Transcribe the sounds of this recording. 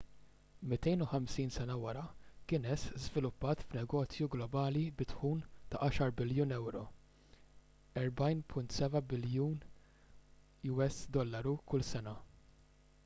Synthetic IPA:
mɪt̪ɛjnʊħɐmsiːnsɛnɐwɐɾɐkɪːnɛszvɪlʊpːɐːt̪fnɛɡɔːt͡sjuɡlɔbɐːlibɪt̪ħuːnt̪ɐʔɐːʃɐɾbɪljuːnɛwɾɔ | ɛɾbɐjnpʰʊnt̪sɛbɐbɪljuːn | juɛsd̪ɔlːɐɾukʊlsɛnɐ

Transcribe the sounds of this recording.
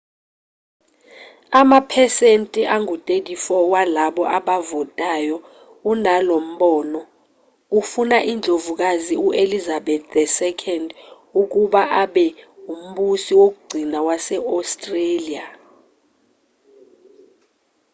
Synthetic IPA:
amapʰɛsentʼiʔaŋʱutʼetʼifɔwalaɓɔʔaɓavɔtʼaːjɔ | unalom̩ɓɔːnɔ | ufunaʔind͡ɮʱovuk̬aziuʔelizaɓɛt̪ɛsɛkʰɛnd | uk̬uɓaʔaɓɛum̩ɓusiwok̬uɡ͡ǀʱinawasɛɔstʼrelia

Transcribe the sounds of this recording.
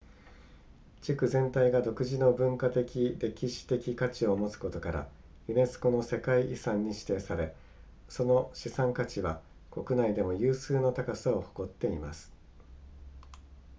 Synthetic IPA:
t͡ɕikɯ̟zẽ̞nt̪aiɡad̪o̞kɯ̟ʑino̞bɯ̟̃ŋkat̪e̞kʲiɾe̞kʲiɕi̥t̪e̞kʲikat͡ɕio̞mo̞t͡sɨ̥ko̞t̪o̞kaɾa̰ | ɯ̟ne̞sɨ̥ko̞no̞se̞kaiʔisãɲ̟ːiɕi̥t̪e̞ːsaɾe̞ | so̞no̞ɕisãŋkat͡ɕiβa | ko̞kɯ̟naid̪e̞mo̞jɯːsɨːno̞t̪akasao̞ho̥ko̞t̪ːe̞imasɨ̥

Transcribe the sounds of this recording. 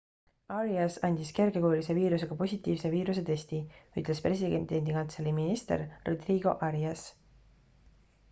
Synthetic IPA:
ɑɾiɑsɑnʲd̪̥iske̞rɡe̞koːulise̞viːɾus̬e̞ɡ̥ɑpo̞sʲit̪ʲːˑiːvse̞viːɾuse̞t̪e̞sʲt̪iyt̪ˑle̞spre̞sʲid̪ed̪e̞nd̪̥ikɑnt̪seliminist̪e̞̰ɾro̞d̪riːɡ̥o̞̰ʔɑɾiɑs

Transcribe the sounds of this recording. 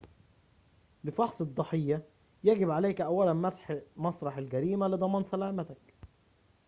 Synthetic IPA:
lɪfɑħsˤɨd̪ˤːɑħejːæ | jæɡɪbʕalæːkʔæwːælænmæsħmɑsˤɾˤɑħalɡæɾiːmælɨd̪ˤɑmɑːnsælaːmæt̪æk

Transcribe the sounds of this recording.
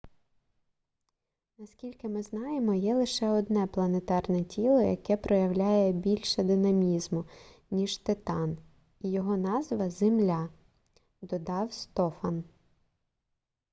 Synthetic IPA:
nɐskʲilʲkɪmɪznɑjemɔjɛlˠɪʃɛɔd̪nɛplˠɐnet̪ɑrnɛtʲilˠɔjɐ̰kɛpɾʔɔjɐwlʲajɛbʲilʲʃɛd̪ɪnɐmʲizmʊnʲiʒt̪ɪt̪ɑn | ijɔɦɔnɑzʋɐzemlʲɑ | d̪ɔd̪ɑwst̪ɔfɐn

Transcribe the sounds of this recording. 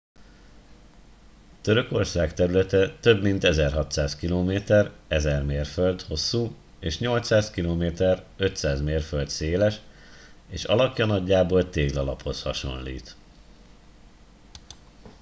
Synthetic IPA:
t̪øɾø̞ko̞rsaːkt̪ɛɾylɛt̪ɛt̪øbmint̪ɛzɛrɦɒt̪saːskiloːmeːt̪ɛrɛzɛrmeːrføld̪ho̞sːuː | eːʃɲo̞lt̪saːskiloːmeːt̪ɛrøt̪saːzmeːrføld̪seːlɛʃ | eːʃɒ̰lɒkjɒnɒɟːaːboːlt̪eːɡlɒlɒ̰pho̞shɒ̰ʃo̞̰nlḭːt̪

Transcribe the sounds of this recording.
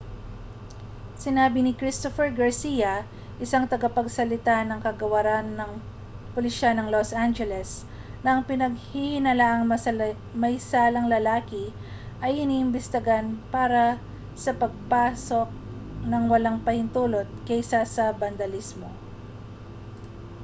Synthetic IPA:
sɪnaːbɪnɪkɾist̪ofɛɹɡɐɹsijɐ | ʔɪsaŋt̪ɐɡapɐɡsɐlɪt̪anɐŋkɐɡɐwɐɾanːɐŋ | polɪʃanɐŋlosʔand͡ʒɛlɛs | nɐʔɐŋpɪnɐɡ̚hihɪnɐlaʔɐŋmɐ | mɐjsaːlɐŋlɐlaːkɪ | ʔɐjɪniːʔɪmbɪst̪ɪɡanpaːɾɐ | sɐpɐɡ̚paːso̞k̚ | nɐŋwɐlaŋpɐhɪnt̪uːlo̞t̪̚kɛjsasɐbɐnd̪ɐlismo

